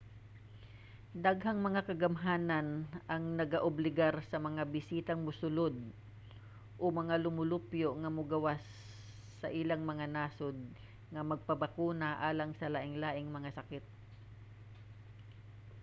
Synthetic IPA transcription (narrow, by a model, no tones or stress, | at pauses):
d̪aɡɦɐŋmɐŋakɐɡɐmɦaːnɐnʔɐŋnɐɡaʔʊblɪɡaɾsɐmɐŋabɪsiːt̪ɐŋmʊsʊlod̪̚ | ʔomɐŋalʊmʊlʊpjoŋɐmʊɡɐwasː | ɐʔɪlaŋmɐŋanaːsod̪̚ | ŋɐmɐɡ̚pɐbakuːnaʔaːlɐŋsɐlaʔɪŋlaːʔɪŋmɐŋasɐkɪt̪̚